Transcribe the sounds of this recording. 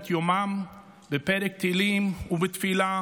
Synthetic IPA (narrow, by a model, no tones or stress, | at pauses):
t̪jomam | bepeɾek̚t̪ilimuvet̪fila